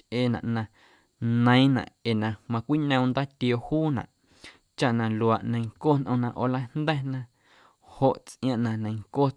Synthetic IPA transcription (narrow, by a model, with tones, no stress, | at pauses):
eː˧nã̰˨ʔnã˧ | nə̃˧˦j̃nã̰˨ʔe˨nã˨mã˧kʷi˦ɲə̃˧nd̪aː˦t̪jo˧huː˦nã̰˨ʔ | t͡ʃa˦ʔnã˧lu˨a˨ʔnə̃˧jŋkoː˦nʔə̃˧nã˧ʔo˨la˦nd̪ɛ˦nã˧ | ho˨ʔt͡sʔj̃ã˧ʔnã˨nə̃˨˧jŋkoː˦˨